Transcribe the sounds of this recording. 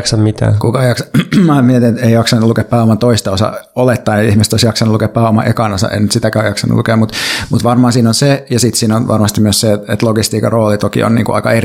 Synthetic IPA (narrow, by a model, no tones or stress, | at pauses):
ksɑmmit̪æ̰ːkukɑjɑksɑmæmiet̪inet̪eijɑksɑnːulukeppæːomɑnt̪oist̪ɑosɑ̰olet̪ːɑinet̪ihmist̪oˑisjɑksɑnːulukeːppæːomɑʔekɑnosɑ̰ʔḛinyt̪sit̪ækæːjɑksɑnːṵlukeːmmut̪mut̪ʋɑrmɑːsiːnonsejɑsit̪siːnonʋʔɑ̰rmɑst̪imyøsseet̪et̪loɡist̪iːkɑroːlit̪okḭo̰nnḭːŋkṵɑ̰ikɑer